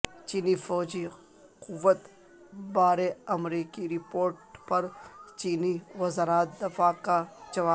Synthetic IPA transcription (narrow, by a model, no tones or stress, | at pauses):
t͡ʃiːnifɔːd͡ʒi | qʊʋːət̪ | baːɾeɐmɾiːkiɾɪpoːɾʈpɐɾt͡ʃiːniʋɐzaɾaːt̪̚d̪ɐfakad͡ʒɐʋaː